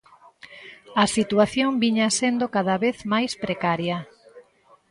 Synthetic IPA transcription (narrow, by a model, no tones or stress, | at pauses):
ɐsit̪waθjoŋbiɲasend̪okaðaβeθmajspɾekaɾjɐ